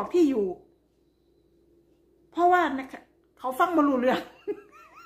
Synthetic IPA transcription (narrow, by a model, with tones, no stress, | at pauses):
k̚p̪ʰiː˥˩juː˨˩ | pʰɾɔ˦˧˥waː˥˩na˧˥kʰ | kʰa˨˦wfa˥˩ŋmɔ˧luː˧˩ɾɯ˧˩əŋ